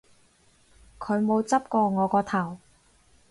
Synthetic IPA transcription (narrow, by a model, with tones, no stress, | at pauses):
kʰɵ˨˧ɥmo˨˧wt͡sɐ˥p̚kɔː˧ŋɔː˨˧kɔː˧t̪ʰɐ˨˩w